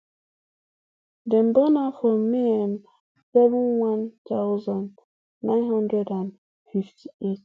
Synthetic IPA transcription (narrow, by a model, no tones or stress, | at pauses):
dɛm̩banafɔmiɛm | sɛvənwantaʊzɔnː | ãɪnɦɔ̃ndɾɛdãn | fiftʰiet